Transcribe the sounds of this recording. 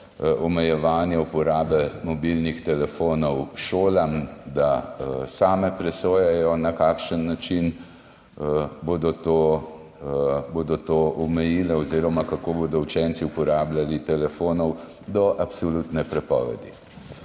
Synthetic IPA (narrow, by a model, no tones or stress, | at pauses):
ʔɔmɛjɛʋaːnjɛupɔɾaːbɛmɔbilnixt̪ɛlɛfoːnɔwʃoːlamd̪asaːmɛpɾɛsoːjɛjɔnakaːkʃənːat͡ʃin | boːd̪ɔt̪o | boːd̪ɔt̪oːʔɔmɛjiːlɛɔziːɾɔmakakoːboːd̪ɔut͡ʃɛnt̪siupɔɾaːblalit̪ɛlɛfoːnɔw | d̪ɔʔapsɔlut̪nɛpɾɛpɔ̰ːʋɛ̰d̪i